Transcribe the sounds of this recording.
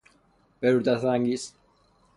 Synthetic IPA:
pɛɾuɾt̪aθaŋɡis

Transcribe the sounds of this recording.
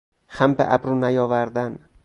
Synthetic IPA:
xæmbḛʔæ̰bɾuːnæjɒːvæɾd̪æn

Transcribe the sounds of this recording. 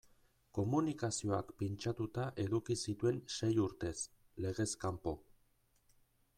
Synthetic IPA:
ko̞munikasio̞a̰kpint͡ʃat̪ut̪aʔe̞ðukisit̪ue̞nʃe̞juɾt̪e̞s | le̞ɣ̞e̞skampo̞

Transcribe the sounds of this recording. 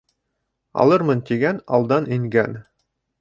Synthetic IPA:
ɑ̰lˠɤɾmɤnt̪iɡænɑ̰lˠd̪ɑniŋɡæn

